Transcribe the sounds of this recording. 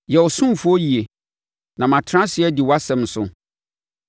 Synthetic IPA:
jɛ˨ɔ˨sũ˦m˨fʊ˦ɔ˦ji˨e˨ | nã˨mã˨tʰɾã˦sɪ˨˦ɛ˦dɪ˨wɔ˦a˦sɛ̃˨m̩˦sʊ̰˨

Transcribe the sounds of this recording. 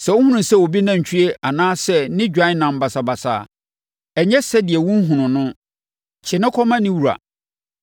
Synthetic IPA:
sɛ˨wo˦hũ˦nʊ̃˨sɛ˦˨wo˨bi˦nã˨ɲ̩˨t͡ɕʰᶣy˦e˦ʔa˨nãː˦sɛ˦˨nɪ̃˦d͡ʑᶣã˨˦nã˨m̩˨ba˨sa˨ba˨sa̰ː˨ | ɛ˨ɲɛ˦sɛ˦dɪ˨ɛ˨wʊ̃˦n˦ɦũ˨nʊ̃˨nʊ̃˦ | t͡ɕʰɪ˨nʊ̃˦kʰɔ˦mã˦nɪ̃˦wu˨ɾa̰˨

